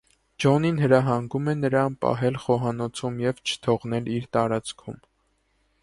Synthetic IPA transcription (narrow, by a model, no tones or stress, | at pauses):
d͡ʒɔninhəɾɑɦɑŋɡumɛnəɾɑnpɑ̰ɦɛlχɔɦɑnɔt͡sʰumjɛvt͡ʃʰə̥t̪ʰɔʁnɛliɾt̪ɑɾɑt͡skʰṵm